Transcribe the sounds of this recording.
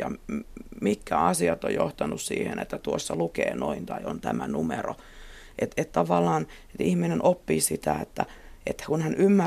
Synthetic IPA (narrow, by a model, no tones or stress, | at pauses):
ɑ | mikkːæɑsiɑt̪ːojoht̪ɑnussḭːhenḛt̪ːæt̪uosːɑlukḛːnoint̪ɑiont̪æmænumero | ʔet̪et̪t̪ɑʋɑlːɑːn | et̪ihminenʔopːiːsit̪æet̪ːæet̪ːkunhænʔymːæ